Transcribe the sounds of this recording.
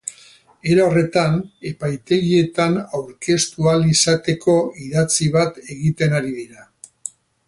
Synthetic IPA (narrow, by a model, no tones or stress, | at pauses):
e̞ɾaore̞t̪ane̞pajt̪e̞ɣie̞t̪anawɾke̞st̪ualisat̪e̞kʰo̞iðat͡siβat̪e̞ɣit̪e̞naɾiðiɾa